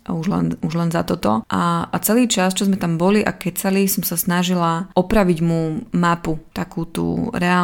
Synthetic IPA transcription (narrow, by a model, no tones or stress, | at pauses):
auʒlɛ̰nuʒlɛnzat̪ɔt̪ɔʔaat͡sɛliːt͡ʃast͡ʃɔzmɛt̪ambɔliʔa̰kɛt͡salisɔmsasnaʒilaɔpɾaʋiɟmumaput̪akuːt̪ṵːɾɛa